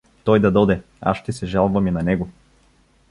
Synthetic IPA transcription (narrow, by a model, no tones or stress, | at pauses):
t̪ɔjd̪ɐd̪ɔd̪ɛ | a̰ʃʃt̪ɛsɛʒalˠvɐminɐnɛɡo